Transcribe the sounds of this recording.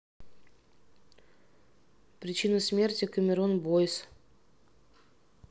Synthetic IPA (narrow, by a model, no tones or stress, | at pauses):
pɾʲɪt͡ɕinɨsmʲe̞rtʲɪkəmʲɪɾonbojs